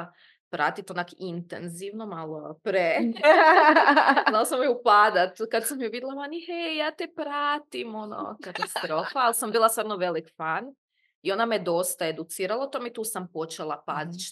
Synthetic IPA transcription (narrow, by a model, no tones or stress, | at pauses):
pɾa̰ːt̪it̪onakint̪ḛnziʋnomalˠopɾe | alˠasammeupaːd̪at̪kad̪sammiuʋid̪lˠamanihejaːt̪epɾaːt̪imono̰kat̪ast̪ɾo̞ːfaalsambiːlˠasaɾnoʋelikfan | io̞named̪o̞st̪ae̞d̪ut̪siːɾalˠaout̪o̞meit̪uːsampo̞t͡ʃelˠapaːd̪it͡ʃ